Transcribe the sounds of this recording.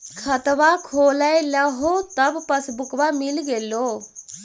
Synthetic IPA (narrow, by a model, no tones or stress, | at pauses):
kʰɐt̪ʋakʰoːlaelaɦoːt̪ɐbpɐsbʊkʋamɪlɡeːloː